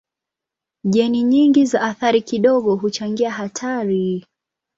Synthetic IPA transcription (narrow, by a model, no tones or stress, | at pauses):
ʄɛniɲiŋɡizaʔːθaɾikiɗɔɠɔɦut͡ʃaŋɡiaɦatʰaɾi